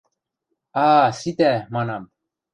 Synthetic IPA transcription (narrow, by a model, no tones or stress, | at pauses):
ɑːsit̪æmɑnɑm